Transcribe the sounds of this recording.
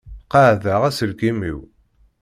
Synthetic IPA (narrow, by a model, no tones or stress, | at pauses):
qaʕðəʁæsəlkimḭw